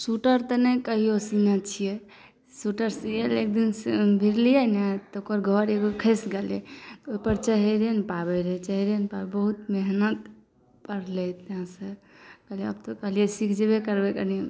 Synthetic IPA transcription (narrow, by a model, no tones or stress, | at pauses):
suʈəɾt̪ɔnəkəɦiosinat͡ʃʰije | suʈəɾsielek̚d̪insbʱiɾlijənat̪okəɾɡʱɔɾeɡokʰəsɡeleoipəɾt͡ʃəɦeɾenpabɛɾɛt͡ʃəɦiɾenpabebəɦut̪meɦnət̪ | pəɾlɛt̪ɦãsə | kəɦliə̰bt̪ɔkəɦliɛsikʰd͡ʒebekəɾbekəni